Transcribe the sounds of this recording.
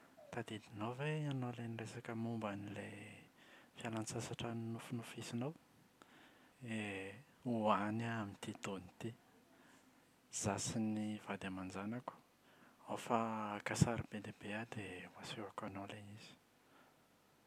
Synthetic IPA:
t̪ad̪id̪inowveanoleniresakəmumbanile | fialant͡sasaʈ͡ʂannufunufisinaw | e | uanaamint̪it̪onit̪i | z̥asinivad̪amand͡zanaku̥ | afakasaɾibed̪ebead̪emasewakanoleniz̥i̥

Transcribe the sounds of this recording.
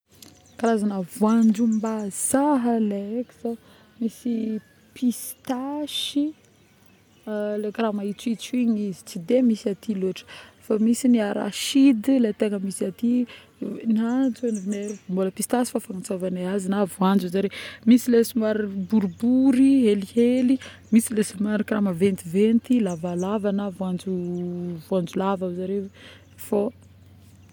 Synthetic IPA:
kaɾazanavwand͡ʒumbaz̥aɦəleeki̥z̥o | misi | pʰist̪aʃi | lekɾamait͡suit͡siɲizi̥t͡sid̪emisiat̪iloʈ͡ʂə̥famisiniaɾa̰ʃid̪ilet̪eŋəmisiat̪i | niat͡sanivinemboləpist̪asi̥fafaŋat͡savanaazinavuand͡ʒuzaɾemisilesimaɾibuɾubuɾieliheli | misilesumaɾikramavent̪ivent̪ilavalavanavuand͡ʒuvuand͡zulavazaɾe | fo

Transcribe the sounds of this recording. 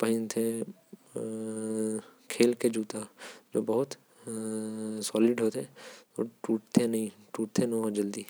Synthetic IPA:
pɐɦɪ̃nt̪ʰẽ | kʰeːlked͡ʒuːt̪ad͡ʒoːbɐɦʊt̪ | sɔːlɪɖɦoːt̪et̪o̰ʈuːʈt̪ʰenɐɦĩʈuːʈ̚t̪ʰẽnod͡ʒɐld̪iː

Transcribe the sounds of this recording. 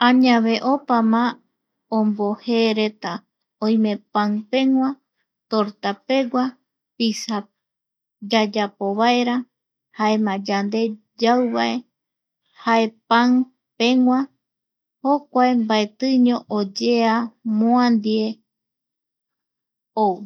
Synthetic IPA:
ãɲãβe̞ʔopamã | õmbo̞heɾe̞t̪a | õj̃mẽ̞pãŋpẽ̞ŋʷã | t̪oɾt̪ape̞ɡʷa | pisa | d͡ʒad͡ʒapoβaeɾa | hae̞mãd͡ʒand̪e̞ | d͡ʒawβaʔe̞ | hae̞paŋ | pẽ̞ŋʷã | hokʷaembaet̪ɨɲõ̞ʔod͡ʒeamõãnd̪ie̞ | ow

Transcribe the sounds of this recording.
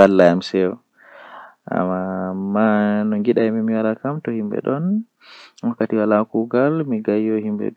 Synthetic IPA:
alːaamsɛwɔ | a̰mːamanɔŋɡiɗajmimiwalakamtɔhimbɛ̰ɗɔn | wakːatiwalakuɡalmiɡajːɔhimbɛ̰

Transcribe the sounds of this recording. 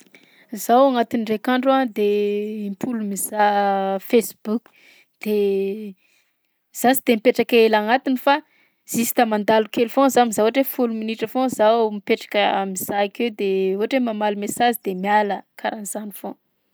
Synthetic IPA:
zawaŋat̪inrekaɳɖ͡ʐuad̪eimpʰulumiz̥afesbuk | d̪̥e | z̥asid̪̥emipeʈ͡ʂakelaŋat̪inifa | z̥isi̥t̪amand̪alukelufõzamizauaʈ͡ʂefuluminiʈ͡ʂəfõzawmipeʈ͡ʂḁkəamiz̥aiked̪euɦaʈ͡ʂemamalumesazid̪emialəkʰaɾaniz̥anifõ

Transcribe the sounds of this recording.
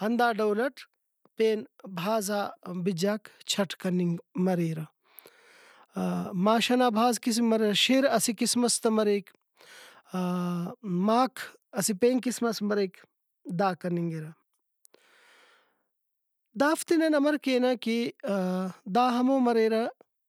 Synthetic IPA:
hɐnd̪aːɖɐwlɐʈ | peːnbʱaːzaːbid͡ʒaːkt͡ʃʰɐʈʰkɐniŋɡmɐɾeːɾɐ | maːʃɐnaːbʱaːzkis̬mɐɾɐʃiɾɐsikismɐst̪ɐmɐɾeːk | maːkʰ | ɐsipeːŋkismɐsmɐɾeːk | d̪aːkɐniŋɡiɾɐ | d̪aːft̪inɐnɐmɐɾkeːnɐki | d̪aːɦɐmoːmɐɾeːɾɐ

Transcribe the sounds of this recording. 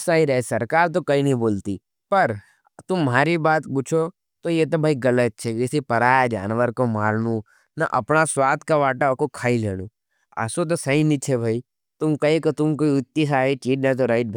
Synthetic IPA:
saːiɾɐesɐɾkaːɾt̪̬okɐinɐɦĩboːlt̪i | pɐɾ | t̪ʊmːaːɾibaːt̪put͡ʃʰo | t̪ojet̪̬obʱaiɡɐlət̪̚t͡ʃʰeɪsipɐɾaːjad͡ʒa̰ːnʋəɾkomaːɾnũ | nɐ̰ʔɐ̰pɳasʋaːt̪kaʋaːʈakokʰaːileːɽũː | ə̰sõt̪̬osɐinit͡ʃʰebʱaːi | t̪ʊmkɐĩket̪ʊmkoiʊt̪ːis̬aːɦit͡ʃiːʈnat̪̬oɾəiʈ̪̚bʱ

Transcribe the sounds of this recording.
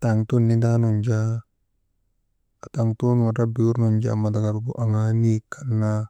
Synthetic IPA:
t̪aŋt̪unid̪anɔɲd͡ʒa | at̪aŋt̪unwaɾabiurnɔɲd͡ʒa̰mat̪akaɾukuʔaŋanikʰarna

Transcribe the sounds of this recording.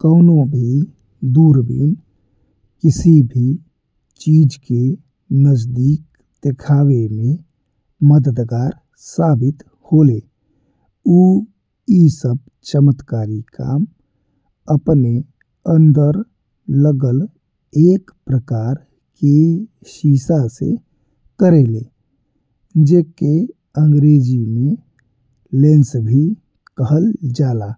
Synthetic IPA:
kəʊnobʱi | d̪uːɾbḭn | kɪsibʱi | t͡ʃiːd͡ʒke | nəd͡ʒd̪iːk̚ | d̪̥ekʰaːwemẽ | məd̪əd̪ɡaːɾ | saːbɪt̪ | hoːle | uː | isəb̚ | t͡ʃəmət̪kaːɾika̰ːm | əpne | ənd̪əɾ | ləɡəl | ek | pɾəkaɾ | ke | ʃisasḛ | kəɾele | d͡ʒeke | əŋɡɾed͡ʒime | lensbʱi | kəɦəld͡ʒala

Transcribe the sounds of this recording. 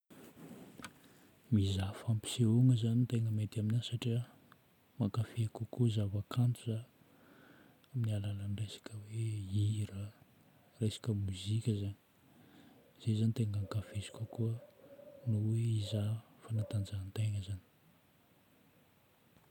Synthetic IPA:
mizafampi̥seoŋəzanit̪eŋəmet̪iaminansaʈ͡ʂiə | makafeakukuzavakʰant̪uza | aminialalanresḁkəweiɾə | resḁkəmuzikʲəzani̥ | z̥ezanit̪eŋaŋkafei̥kʲokuə | nuweizafanat̪and͡zant̪eŋəzani̥

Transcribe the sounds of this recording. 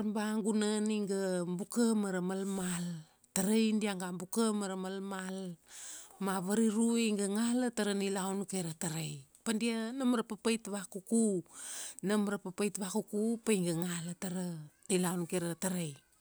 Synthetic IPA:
ɾmbaŋɡunaniŋɡambukəmaɾamalmal | taɾejndiaŋɡambukəmaɾamalmal | maβaɾiɾuiŋɡaŋalataɾanilawnkeɾataɾajpandianamɾapapajtβakuku | namɾapapajtβakukupajŋɡaŋalataɾənilawnkeɾataɾaj

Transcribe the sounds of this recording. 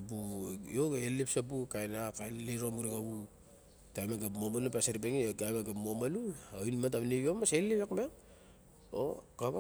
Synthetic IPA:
apujoɡeelipsapukajnakaleɾomuɾikaβu | tajmaɡapmomalupaseɾipeŋiokamaɡapmomaluoinmat̬aβneβomaselipekmeŋ | o̰kaβa

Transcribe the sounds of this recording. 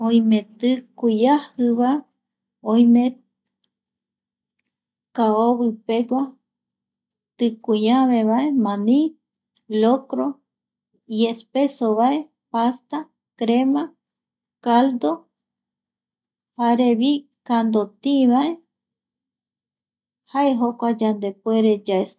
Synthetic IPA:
ojmẽt̪ɨkujahɨβa | õjmẽ | kaoβɨpeɡʷa | t̪ɨkujaβeβaemãnĩ | lokɾo | iespesoβae | past̪a | kɾema | kald̪o | haɾeβi | kand̪ot̪ĩβae | haeɦokʷad͡ʒand̪epueɾed͡ʒaes

